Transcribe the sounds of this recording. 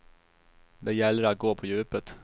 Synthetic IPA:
d̪ɛjɛlːəɾat̪̚ɡoːpʰɔjʉ̟ːpət̪

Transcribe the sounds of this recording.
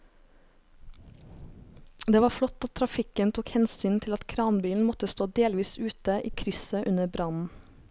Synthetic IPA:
d̪eːʋɑːflɔt̪ɑt̪ʰɾɑfɪkənt̪ʰuːkhɛnsyːnt̪ʰɪlɑt̪kʰɾɑːnbiːln̩mɔt̪əst̪oːd̪eːlʋiːsʉːt̪əʔiːkʰɾʏsəʔʉnəbɾɑnn̩

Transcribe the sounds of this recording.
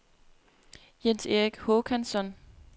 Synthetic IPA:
jense̝ʁiɡ̥hoːkʰænsɒn

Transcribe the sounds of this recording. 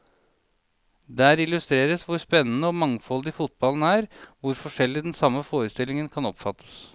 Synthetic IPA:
d̪æːɾɪlʉst̪ɾeːɾəsʋʊɾspɛnːənəɔmɑŋfɔld̪ɪfʊt̪̚bɑlənəæːɾʋʊɾfɔʂɛlːɪd̪ɛnsɑmːəfoːɾəst̪ɪlɪŋənkʰɑnɔpfɑ̰t̪ʰːə̥s

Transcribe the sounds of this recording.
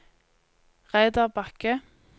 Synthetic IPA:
ʁæɪd̪ɑʁbɑkə

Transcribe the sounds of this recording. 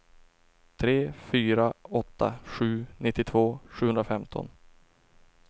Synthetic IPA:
t̪ʰɾeːfyːɾaɔt̪ːa̰ɧʉ̟ːnɪt̪ːɪt̪ʰvoːɧʉ̟ːhɵnd̪ɾafɛmt̪ʰɔ̰n

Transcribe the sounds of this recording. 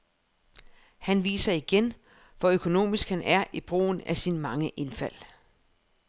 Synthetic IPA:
hænʋḭːsɐiɡ̥en | ʋɒøkʰo̝no̝̰ːmisɡ̥hænʔæɐʔib̥ʁṵːn̩æsinmɑ̈ŋəʔe̝nfæl̰

